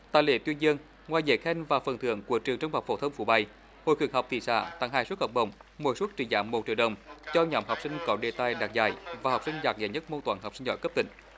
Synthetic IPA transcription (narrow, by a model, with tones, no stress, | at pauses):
t̪aː˧˨jlḛ˧˦t̪wi˧ənzi˧əŋ | ŋwaː˨˩jzḛ˧˨˦xɛ˧nvaː˨˩fə˨˩nt̪ʰɨ̰˧˨əŋku˧˩ət͡ɕɨ˨˩əŋt͡ɕə˧wŋ͡mha˨˩k͡p̚fo̰˧˦t̪ʰə˧wŋ͡mfu˧˩ɓa˧˩j | ho̰˧˨jkɨ˨˩k̚ha˨˩wk͡p̚t̪ʰḭ˧˩sa̰ː˧˩˨t̪a̰˧˩ŋɦaː˨˧˩su˦˥t̚hɔ˨˩wk͡p̚ɗə̰˧˩wŋ͡mmu˨˧˩jsu˦˥t̚t͡ɕḭ˧˩zaː˧˨˦mːo˨˩t̚t͡ɕḭ˧˨əwɗə˨˩wŋ͡mt͡ɕɔ˧ɲɔ˨˦mha˨˩wk͡p̚sï˧ŋ̟kɔ˨˦ɗe˨˩t̪aː˨˩jɗaː˨˩k̚za̰ː˧˩jvaː˨˩hɔ˨˩w̚k͡psï˧ŋ̟zaː˨˩k̚zaː˧˩jɲə˦˥t̚mo˧t̪waː˧˩nɦk͡p̚sï˧ŋ̟zɔ̰˧˦jkə˦˥p̚t̪ï˧˦ŋ̟